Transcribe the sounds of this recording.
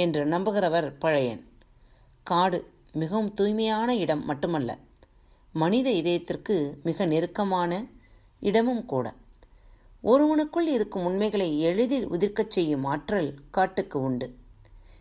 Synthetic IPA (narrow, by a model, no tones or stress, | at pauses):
ɛndrɐnɐmbɯɣɪɾɐʋɐɾpɐɻɐjɐ̰n | kaːɽɯ | mɪɣɐʋɯmt̪uːjmɐjaːnɐɪɽɐmːɐʈːɯmɐlːɐ̰ | mɐnɪðɐɪðɐjɐt̪ːɪrkɯmɪɣɐnɪɾɯkːɐmaːnɐ | ʔɪɽɐmɯmkuːɽɐ̰ | ʔɔɾɯʋɐɳɯkːɯɭɪɾɯkːɯmʊnmɐɪɣɐɭɐɪɛɻɯðɪlʊ̰ðɪɾkɐt͡ʃːɛjːɯmaːʈrɐlkaːʈːɯkːɯʊɳɖɯ